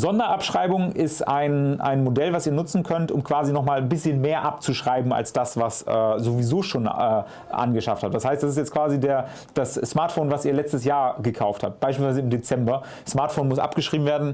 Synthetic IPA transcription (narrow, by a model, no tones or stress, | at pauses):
zɔndɐʔapʃʁ̥aɪbʊŋʔɪsta̰ɪnʔa̰ɪnmodɛlvasiːɐnʊt͡sn̩kʰœntʔʊ̰mkv̥aːzinɔχmaːlnbɪsçənmeːɐʔap̚t͡suʃʁ̥aɪbm̩a̰lsd̥asv̥asʔɛ̰ːzovizoːʃoːnɛː | ʔa̰nɡəʃafthaːtd̥ashaɪstd̥asɪstjɛt͡stkv̥aːzideːɐ | d̥asːmaɐtfoːnvasiːɐlɛt͡stəsjaːɐɡəkʰaʊftha̰p̚t̚b̥aɪʃ̬pilsvaɪzəɪmdet͡sɛmbɐ | smaːɐtfoːnmʊsʔa̰pɡ̥əʃʁ̥iːbm̩veːɐdn̩